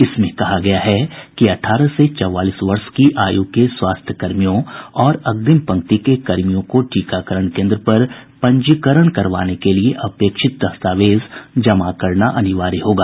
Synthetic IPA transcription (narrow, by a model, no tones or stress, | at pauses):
ɪsmẽkɐɦaɡɐjaɦɛkiɐʈʰaːɾəset͡ʃɔʋaːliːsʋɐɾʃkiʔaːjuːkeswaːst̪ʰjəkɐɾmijõɔːɾɐɡ̚d̪ɪmpɐ̃ŋk̚t̪ikekɐɾmijõkoʈiːkakəɾəɳ̃kẽːnd̪ɾəpɐɾpɐ̃ɲd͡ʒikəɾəɽ̃kɐɾʋa̰ːnekelieʔɐpeːkʃɪt̪̚d̪ɐst̪aːʋeːzd͡ʒɐmakɐɾnaʔɐnɪʋaːɾiɦoːɡaː